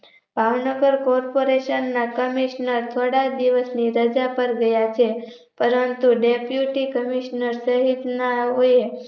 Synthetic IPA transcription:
bʱaʋnəɡəɾkɔɾpoɾeʃənːakəmiʃnəɾt̪ʰoɽad̪iʋəsniɾəd͡ʒapəɾɡəjat͡ʃʰepəɾənt̪uɖepjuʈikəmiʃnəɾsəɦid̪naɦoe

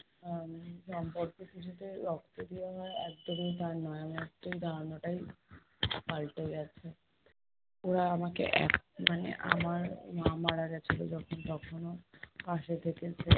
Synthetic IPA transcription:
ʃɔmpoɾkekit͡ɕʰut̪eɾɔkt̪od̪ibaɦɔeɛk̚d̪omit̪aɾnɔeamot̪ːejd̪ʱaɾonoʈaj | palʈajat͡ɕʰe | oɽaamakḛʔɛ̰kmanḛʔa̰maɾmãmaɽaɡat͡ɕʰilo̰d͡ʑɔkʰont̪ɔkʰonopaʃet̪ʰeket͡ɕʰe

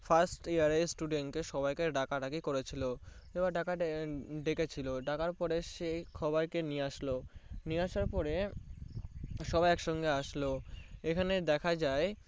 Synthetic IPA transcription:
fʰasʈiaɾesʈuɖenʈkeʃɔbajkeɖakaɖakikoɾet͡ɕʰilo | ebaɾɖakaɖeket͡ɕʰiloɖakaɾpɔɾeʃejkʰɔboɾkenieaʃloniaʃaɾpɔɾe | ʃɔbajɛkʃɔŋɡeaʃloekʰaned̪ɛkʰad͡ʑae

